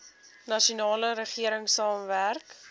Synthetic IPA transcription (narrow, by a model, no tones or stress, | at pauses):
nɐʃunɑːləɾəχiəɾəŋsɑːmværk